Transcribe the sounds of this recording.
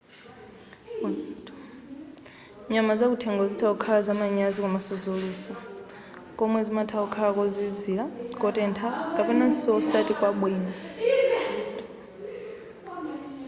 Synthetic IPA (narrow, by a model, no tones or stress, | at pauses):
ɲamazakutʰɛŋɡɔzitʰaukʰaazamaɲazikʼɔmasɔzoɺuːsa | kʼɔmwɛzimatʰaukʰaakʼɔziziɺakʼɔtʼɛntʰakʼapɛnansɔɔsatikwaɓwiːna